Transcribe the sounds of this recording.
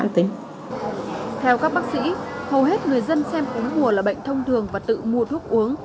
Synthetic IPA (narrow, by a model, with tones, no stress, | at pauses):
nt̪ï˨˦ŋ | t̪ʰɛ˧wkaː˦˥k̚ɓaː˦˥k̚sḭ˧˥hə˨˩wɦe˦˥t̚ŋɨ˨˩əjzə˧nsɛ˧mʔu˨˦əŋmu˨˩əlaː˨˩ɓə̰˧˨jŋ̟t̪ʰə˧wŋ͡mt̪ʰɨ˨˩əŋvaː˨˩t̪ɨ̰˧˨mu˨˩ət̪ʰu˦˥k̚ʔu˨˦əŋ